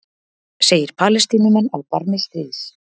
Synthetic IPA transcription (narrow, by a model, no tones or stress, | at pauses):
seːjɪɾ̥pʰaːlɛst̪iːnɪmanawpaɾnɪst̪ɾiːðs